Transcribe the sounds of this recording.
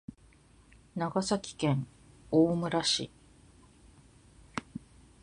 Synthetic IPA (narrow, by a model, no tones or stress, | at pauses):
naɡasakʲi̥kẽ̞ɴoːmɯ̟ɾaɕḭ